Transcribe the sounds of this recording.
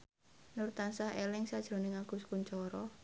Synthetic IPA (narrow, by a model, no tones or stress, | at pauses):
nurt̪ansaɦelɪŋsad̥ʒ̥ɾo̤nɪŋaɡ̥ṳskuɲt͡ʃɔɾɔ